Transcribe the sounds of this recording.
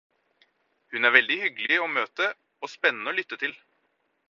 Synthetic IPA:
hʉnæːɾʋɛld̪ɪhʏɡlɪoːmøːt̪ə | oːspɛnːənəoːlʏt̪ːət̪ʰɪl

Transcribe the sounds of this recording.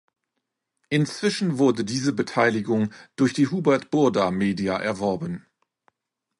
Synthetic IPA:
ʔɪnt͡sv̥ɪʃn̩vʊɐdədiːzəbətʰaɪlɪɡʊŋd̥ʊɐçd̥iːɦuːbɛɐtb̥ʊɐdameːdiaʔɛɐvɔɐbən

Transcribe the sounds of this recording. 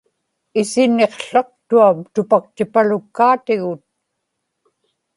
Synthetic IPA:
ɪsɪnːe̞qɬɑq̚t̪uamt̪ʊpak̚t̪ɪpalʊkːaːt̪ɪɣʊt̪̚

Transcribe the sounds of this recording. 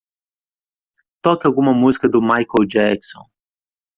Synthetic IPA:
t̪ɔkɪaɡumɐmuzi̥kɐd̪ʊmajkod͡ʒɛksõ̰n

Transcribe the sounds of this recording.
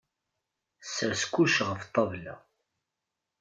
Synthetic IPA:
sːəɾskʷːuʃʁəft̪ˤːɑvla̰

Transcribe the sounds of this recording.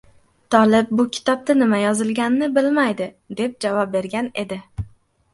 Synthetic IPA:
t̪ʰɒlɪp̚bʊkʲʰɪ̥t̪ʰɒp̚t̪anɪmajɒzɪlˠɡʲannːɪbɪlmajd̪ɪ | d̪e̞p̚d͡ʒavɒp̚be̞ɾɡʲane̞̰d̪ɪ

